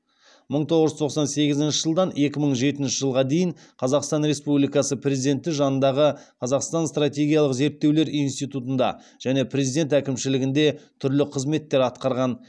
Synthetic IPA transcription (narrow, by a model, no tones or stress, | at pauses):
məɴt̪ʰo̞ʁəʒət̪ʰo̞qsɑnse̞ɡʲɪzɪnʃɪʒəlˠd̪ɑne̞kʲɪməɴʒe̞t̪ɪnʃɪʒəlˠʁɑd̪e̞jɪɴ | qʰɑzɑqst̪ɑnɾe̞spublijkɑsəpʰre̞zid̪e̞nt̪ːɪʒɑnənd̪ɑʁəqʰɑzɑqst̪ɑnst̪rat̪ʲe̞ɡʲijɑlˠəqze̞ɾt̪ːe̞wle̞ɾinst̪ijt̪ut̪ənd̪ɑ̰ | ʒ̥æne̞pʰɾʲe̞zijd̪e̞nt̪ækʲɪmʃɪlɪɡʲɪnd̪e̞t̪ʰʏɾlɪqʰəzme̞t̪ːe̞ɾɑt̪qɑɾʁɑn